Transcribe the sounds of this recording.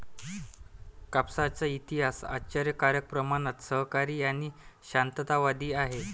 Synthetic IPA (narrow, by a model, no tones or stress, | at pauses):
kapsat͡səit̪iɦasa̰t͡ɕaɾjəkaɾjək̚pɾəmanat̪səɦkaɾiːaɽ̃iɕant̪ət̪aʋad̪iːaɦe